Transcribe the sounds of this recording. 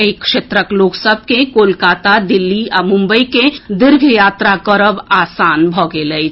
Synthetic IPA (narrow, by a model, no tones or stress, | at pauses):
ekʃeːt̪ɾəkloːksəbʱkekoːlkaːt̪ad̪ɪlːiamʊ̃mbəiked̪ɪɾɡʱjaːt̪ɾakəɾəbaːsaːnbʱɔːɡeləi